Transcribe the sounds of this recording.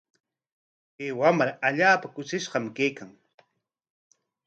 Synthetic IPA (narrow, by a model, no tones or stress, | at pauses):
peːwamɾaaʎaːpakʊʃɪʃɢɑmkejkaŋ